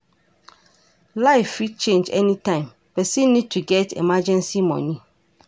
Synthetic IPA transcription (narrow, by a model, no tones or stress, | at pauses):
laɪfːit̚t͡ʃʰẽnd͡ʒɛ̰nĩtʰãɪ̃m | pɛsĩnːĩd̚tʰuɡɛtʰɛ̰mad͡ʒɛ̃nsimɔ̰̃nĩ